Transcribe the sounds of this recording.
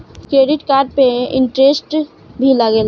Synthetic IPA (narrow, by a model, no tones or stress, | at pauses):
kɾeːɖɪʈkaːɾɖ̚pẽɪɳʈɾesʈ | bʱiləɡeːl